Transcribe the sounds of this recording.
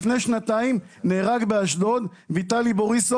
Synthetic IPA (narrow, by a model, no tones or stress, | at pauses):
fne̞jʃnat̪aim | neːʁaɡbeaʃdo̞d̪ | vit̪aliboʁiso